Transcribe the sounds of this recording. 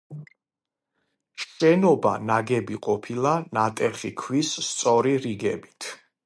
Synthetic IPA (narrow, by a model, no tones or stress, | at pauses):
ʃɛnɔba̰naɡɛbiqʼɔpʰilˠanat̪ʼɛχikʰwisːt̪sʼɔɾiɾiɡɛbit̪ʰ